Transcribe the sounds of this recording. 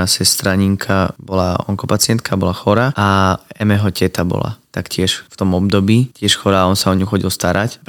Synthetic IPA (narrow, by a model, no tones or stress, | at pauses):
asɛst̪ɾaɲiŋkʰabɔlaɔ̰ŋkɔpat͡sɪɛnt̪̚kʰabɔlaxɔɾaʔaɛmɛɦɔcɛt̪abɔ̰la̰t̪akcɪɛʃft̪ɔmɔb̚d̪ɔbiːcɪɛʃxɔɾaɔnsaɔɲuxɔɟilst̪aɾʔacp